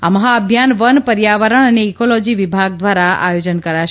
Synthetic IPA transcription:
a̰məɦaəbʱjanʋənpəɾjaʋəɾəɳ̃əneːkolɔd͡ʒiʋibʱaɡ̚d̪ʋaɾaa̰jod͡ʒənkəɾaʃ

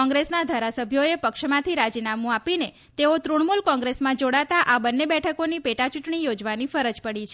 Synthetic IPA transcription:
ɔ̃ŋɡɾesnad̪ʱaɾasəbʱjoepəkʃmãt̪ʰiɾad͡ʒinamũapine | t̪eot̪ɾuɳmulkɔ̃ŋɡɾesmãd͡ʒoɽat̪aʔabənːebɛʈʰəkonipeʈat͡ʃuʈɳijod͡ʒʋanifəɾəd͡ʒpəɽit͡ʃʰ

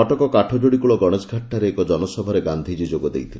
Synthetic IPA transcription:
ɔʈɔkɔkaʈʰɔd͡ʒoɽikuɭɔɡɔɽ̃esɡʱaʈʰːaɾeːkɔd͡ʒɔnɔsɔbʱɔɾeɡand̪ʱid͡ʒid͡ʒoɡɔd̪ejt̪ʰile

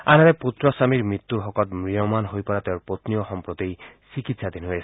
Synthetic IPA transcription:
anaɾɛput̪ɹɔsamiɹmɹit̪ːuɹɦɔkɔt̪mɹijɔmanɦojpɔɹat̪eʊɹpot̪nijɔxɔmpɹɔt̪ejsikit̪sad̪inɦojɛs

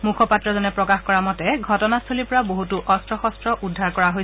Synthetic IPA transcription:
mukʰɔpatɹɔzɔnɛpɹɔkaxkɔɹamɔtɛɡʱɔtɔnastʰolipɔɹaboɦutuʔɔstɹɔxɔstɹɔʔudʱːaɹkɔɹaɦoj

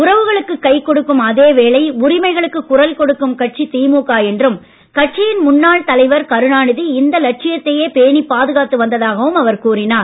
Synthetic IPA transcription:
ʊrɐʋɯɣɐɭɯkːɯkːɐɪkːɔɽɯkːɯmɐðeːʋeːɭɐɪʊrɪmɐɪɣɐɭɯkːɯkːʊrɐlkɔɽɯkːɯmkɐʈ̚t͡ʃit̪iːmuːkaːɛndrɯm | kɐʈ̚t͡ʃɪjɪnmʊnːaːɭt̪ɐlɐɪʋɐɾkɐɾɯɳaːɳɯðiɪnd̪ɐlɐʈ̚t͡ʃɪjɐt̪ːɐjeːpeːɳipːaːðɯɣaːt̪ːɯʋɐnd̪ɐðaːɣɐʋɯmɐʋɐɾkuːrɪnaːɾ

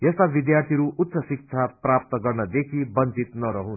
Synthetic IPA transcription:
jʌst̪abid̪jart̪ʰiɾuʔut̪ːsʌsik̚t͡sʰaprap̚t̪ʌɡʌrnʌd̪ekʰibʌnt͡sit̪nʌɾʌɦũ

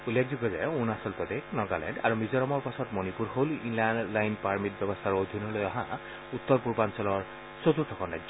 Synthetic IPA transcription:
ulːek̚diɡɔza̰junasɔlpɔt̪eknɔɡalɛ̰ɳɖa̰ɹumizɔɾɔmɔɹpasɔt̪mɔnipuɾɦolḭnlanɖlajnpaɹmit̚bjɔbɔst̪ʰaɾod̪ʱinɔlojɔɦã | ut̪ːɔɾpuɹbansɔlɔɹ | sot̪ut̪ʰɔkɔnad͡ʒ

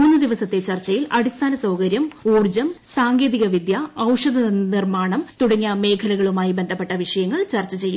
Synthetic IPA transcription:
mːunːɨd̪iʋɐsɐt̪ːe̞t͡ɕɐrt͡ɕːɐjilɐɽist̪ʰaːnɐsɐwkɐɾjɐmuːrd͡ʑɐmsaːŋɡe̞ːðiɣɐʋid̪jɐːwʂɐd̪ɐnirmaːɳɐmt̪uɽɐŋːɐme̞ːkʰɐlɐɣɐɭumaːjibe̞nd̪ʱɐpːe̞ʈːɐʋiʂɐjɐŋːɐɭt͡ɕɐrt͡ɕːɐt͡ɕe̞jːm

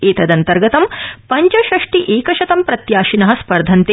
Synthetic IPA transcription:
eːt̪ɐd̪ɐnt̪ɐɾɡɐt̪ɐmpɐɲt͡ʃɐʃɾɐʂʈiʔeːkɐʃɐt̪ɐmpɾɐt̪jaːʃinɐɦɐ̆spɐɾd̪ʱɐnt̪eː

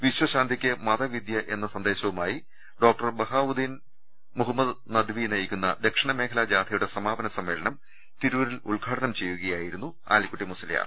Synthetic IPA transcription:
ʋiɕwɐɕaːnd̪ʱikʲːɨmɐðɐʋid̪jɐʔe̞nːɐsɐnd̪e̞ːɕɐʋumaːji | ɖo̞ːk̚ʈɐrbɐɦaːʋud̪ʱin | muɦɐmːɐd̪nɐd̪ʋinɐjikʲːunːɐ̰d̪ekʂɐɳɐme̞ːkʰɐlaːd͡ʑaːd̪ʱʰɐjuɽe̞sɐmaːbɐnɐsɐmːe̞ːɭɐɳɐm | t̪iɾuʋɐɾiluɭɡʱaːɽɐnɐmt͡ɕe̞jːuɣɐjaːjiɾunːu | a̰ːlikːuʈːimusɐlɐja̰ːr

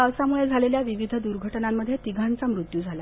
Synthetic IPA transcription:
əsamuɭed͡zʱaleljaʋiʋid̪ʱəd̪uɾɡʱəʈnamːəd̪ʱjet̪iɡʱant͡samɾut̪jud͡zʱala

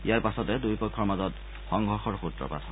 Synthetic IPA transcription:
ijaɹpasɔtɛdujpɔkʰːɔɹmazɔt | xɔŋɡʱɔɹxɔɹxutɹɔ̰pa̰tʰɔ

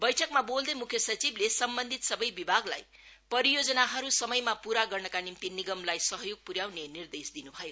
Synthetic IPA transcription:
bʌjʈʰʌkmabold̪ʌmukʰjʌsʌt͡siblesʌmbʌnd̪ʱit̪sʌbʌjbibʱaɡlaj | pʌɾijod͡zʌnaɦʌɾusʌmʌjmapuɾaɡʌrnʌkanimt̪iniɡʌmlajsʌɦʌjoɡ̚puɾjawnenird̪esd̪inubʱʌjo

